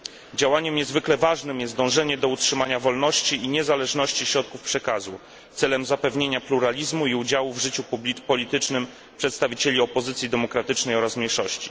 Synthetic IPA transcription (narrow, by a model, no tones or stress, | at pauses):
d͡ʑawaɲɛmɲɛzvɘklɛvaʐnɘmjɛst̪d̪ɔ̃w̃ʐɛɲɛd̪ɔutʂɘmaɲavɔlnɔɕt͡ɕiiɲɛzalɛʐnɔɕt͡ɕiɕɾɔt̪̚kufpʂɛkazu | t̪sɛlɛmzapɛvɲeɲapluɾalʲizmuiud͡ʑawuvʐɘt͡ɕupubʲipɔlʲit̪ɘt͡ʂnɘm | pʂɛt̪st̪avʲit͡ɕelʲiɔpɔzɘt̪sʲid̪ɛmɔkɾat̪ɘt͡ʂnɛjɔɾasmʲɲejʂɔɕt͡ɕi̥